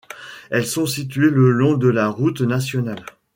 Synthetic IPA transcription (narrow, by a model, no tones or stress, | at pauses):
ɛlsɔ̃sit̪̬ɥeləlɔ̃d̪əlaʁut̪nasjɔnal